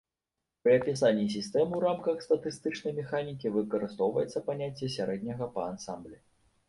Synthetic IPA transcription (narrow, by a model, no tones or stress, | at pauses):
pɾɨɐpʲis̬anʲːisʲist̪ɛmɨwɾamkɐxst̪ɐt̪ɨst̪ɨt͡ʂnɐjmʲɛxanʲikʲivɨkɐɾɨst̪ɔwvɐjɛt̪sːɐpanʲat͡sʲːjɐs̬ʲaɾɛd̪ʲnʲɐɣɐpɐansamblʲɛ